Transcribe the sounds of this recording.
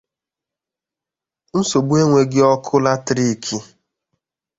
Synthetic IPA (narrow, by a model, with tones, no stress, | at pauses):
n̩˦so˨bu˦e˦ŋʷe˨ɡɪ˦ɔ˦kʰʊ˦la˦tɾi˦˨kʰi˦